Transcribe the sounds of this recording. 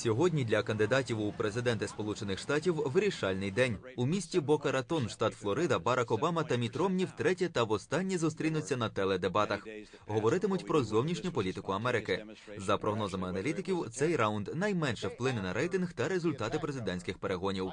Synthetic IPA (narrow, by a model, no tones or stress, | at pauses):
sʲɔɦɔdʲnʲid̪ʲlʲɐkɐnd̪ɪd̪ɑtʲiwʊpɾe̞zɪd̪ɛnt̪ɪspɔlˠut͡ʃenɪxʃt̪ɑtʲiwʋɪɾʲiʃɑlʲnɪjd̪ɛnʲumʲisʲtʲibɔkɐɾɐt̪ɔnʃt̪ɑt̪flˠɔɾɪd̪ɐbɑɾʔɑkɔbɑmɐt̪ɐmʲit̪ɾɔmnʲiwt̪ɾɛtʲɛt̪ɐʋɔst̪ɑnʲːizʊst̪ɾʲinʊt͡sʲːɐnɐt̪ɛlˠɛd̪e̞bɑt̪ɐx | ɦɔʋɔɾɪt̪ɪmʊtʲpɾɔzɔwnʲiʃnʲʊpɔlʲit̪ɪkʊɐmɛɾɪkɪzɐpɾɔɦnɔzɐmɪɐnɐlʲit̪ɪkʲiwt̪sɛjɾɑʊnd̪nɐjmɛnʃɛwplˠɪnɪnɐɾɛjt̪ɪnɣt̪ɐɾe̞zʊlʲt̪ɑt̪ɪpɾe̞zɪd̪ɛnʲsʲkɪxpeɾeɦɔnʲiw